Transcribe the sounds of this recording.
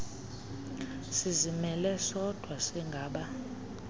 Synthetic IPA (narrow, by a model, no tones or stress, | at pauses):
sizimɛlɛsɔd̥ʱwasiŋɡʱaːɓa